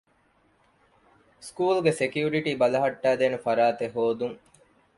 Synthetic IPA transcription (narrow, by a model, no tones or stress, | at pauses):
skuːlɡesekjuːɾiʈiːbɐlɐɦɐʈːæːd̪eːnefɐɾaːt̪eɦoːd̪uŋ